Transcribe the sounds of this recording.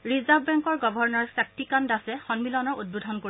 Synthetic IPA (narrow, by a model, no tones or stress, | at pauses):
ɹizabbɛŋkɔɹɡɔbʱɔɹnɔɹsak̚tikandasɛxɔnmilɔnɔɹud̚bodʱɔnko